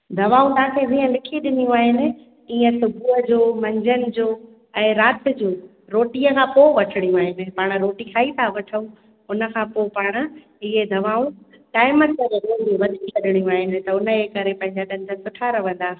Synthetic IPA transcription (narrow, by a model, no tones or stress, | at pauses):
d̪ʱɐʋaːũt̪ãːkʰezĩːə̃lɪkʰiɗɪnijũaːɦɪnɪ̆ | iːə̃sʊbʱuɦəd͡ʑoːmɐ̃ɲd͡ʑʱənɪ̆d͡ʑoː | ɛ̃ːɾaːt̪ɪ̆d͡ʑoː | ɾoːʈiəkʰãːpoːʋɐʈʰɪɽ̃ijũaːɦɪnɪ̆paːɽ̃ɾoːʈikʰaːit̪ʰaʋɐʈʰəũ | ʊnə̆kʰãːpoːpaːɽ̃̆ | ɪɦed̪ʱɐʋaːũ | ʈaːɪməkɐɾeɾoːũʋɐd̪ʱikɐɗɪɽ̃ijũaːɦɪnɪ̆t̪ɐʊnəekɐɾepɐ̃ɦɪ̃ɲd͡ʑaɗɐ̃nd̪ʱənsʊʈʰaɾɐʋ̤ə̃n̆d̪aː